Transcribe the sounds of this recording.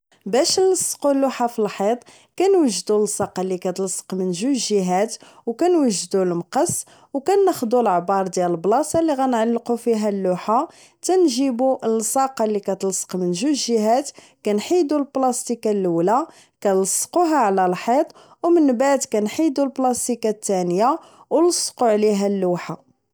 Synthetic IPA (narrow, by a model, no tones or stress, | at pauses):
bæʃləsːqulːuħafilħit̪ˤ | kænwəʒːd̪ulsˤɑqɑlːikæt̪lsˤːə̥qmənʒuʒəɦæt̪wkænwəʒd̪ulmqɑs | wkænːəxd̪ulʕbɑɾˤd̪jæləlblɑsɑliɣænʕalːqufiɦælːʊħa | t̪ænʒibulsˤɑqɑlːikæt̪lsə̥qmənʒuʒəɦæt̪ | kænħid̪ulblɑst̪ikalːwlæa | kæləsːquɦæʕlælħit̪ˤ | wmənbaʕd̪kænħid̪ulblɑst̪ikat̪ːænja | wləsˤːquʕliɦælːuħa